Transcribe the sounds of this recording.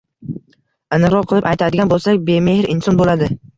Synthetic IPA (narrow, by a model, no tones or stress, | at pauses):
anɨqɾɒqʰːɨlˠɪpajt̪ʰad̪ɪɡʲanbolˠsakʲbemehɪɾʔɪnsɒnbolad̪ɪ